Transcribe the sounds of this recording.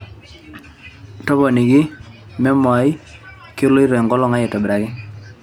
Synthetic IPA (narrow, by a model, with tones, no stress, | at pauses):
tɔ˦bɔ˨ni˨ɡi˦ | mɛ˦mɔ˨˦i˦ | ko˦lo˦i˦ɾɔ˨ŋɡɔ˦lɔ˦˨ŋa˦je˨tɔ˨bɾa˨ɡɪ˦